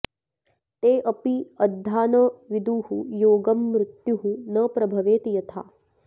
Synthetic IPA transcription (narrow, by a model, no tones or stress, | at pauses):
t̪eːʔɐpiɐd̪ʱːaːnɐʋid̪uːɦujoːɡɐmːɾɪt̪juɦunɐpɾɐbʱɐʋeːt̪ijɐt̪ʰa̰ː